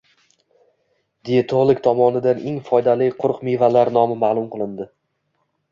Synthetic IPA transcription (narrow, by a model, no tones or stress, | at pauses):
d̪ejat̪ʰoʁlˠɪkʲt̪ʰɒmɒnɪd̪anʔeŋfɒjd̪alɪjqʰʊɾqmevalaɾnɒmɪmaːlˠʊmqɨlˠɪnd̪ɪ